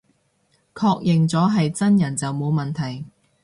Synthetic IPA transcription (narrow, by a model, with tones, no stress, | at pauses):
kʰɔː˧k̚jɪ˨ŋt͡sɔː˨˥ɦɐ˨jt͡sɐ˥njɐ˨˩nt͡sɐ˨wmo˨˧wmɐ˨nt̪ʰɐ˨˩j